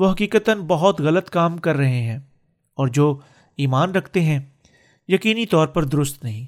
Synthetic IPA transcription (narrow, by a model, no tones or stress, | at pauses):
ʋoɦɐkiːkət̪ənbɐɦʊt̪ɣɐlət̪kaːmkɐɾːɐɦeɦɛ̃ː | ɔːɾd͡ʒoː | iːmaːnɾɐkʰt̪eɦɛ̃ | jɐkiːnit̪ɔːɾpɐɾd̪ʊɾʊst̪nɐɦĩː